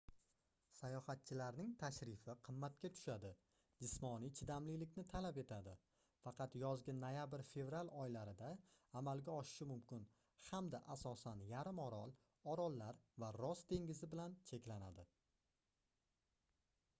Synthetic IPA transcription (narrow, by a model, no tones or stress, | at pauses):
sajɒhat̪̚t͡ʃʰɪlaɾnɪŋt̪ʰaʃɾɪfɪqʰɨmːat̪kʲat̪ʰʊ̥ʃad̪ɪ | d͡ʒɪsmɒnijt͡ʃʰɪd̪amlɪlɪkʲnɪt̪ʰalape̞t̪ʰad̪ɪ | fɑqʰɑt̪jɒzɡʲanːajabɪɾfe̞vɾalˠɒjlaɾɪd̪aːmalɡʲaɒʃɪ̥ʃɪmʊmkʲɪn | hamd̪aʔasɒsanjaɾɪmɒɾɒlˠ | ɒɾɒlˠːaɾvaɾɒst̪ʰe̞ŋʲɪzɪbɪlant͡ʃʰe̞kʲlanad̪ɪ